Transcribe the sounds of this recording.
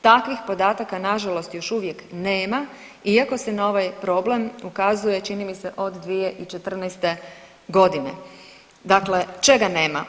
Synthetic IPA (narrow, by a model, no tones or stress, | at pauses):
t̪akʋixpo̞d̪aːt̪akanaʒalo̞st̪jo̞ʃuʋje̞kneːma | iako̞se̞nao̞ʋajpɾo̞ble̞mukazuje̞t͡ʃinimiseʔo̞d̪ːʋije̞ʔit͡ʃe̞t̪r̩nɛjst̪e̞ | ɡo̞d̪inḛ | d̪akle̞t͡ʃe̞ɡane̞ːma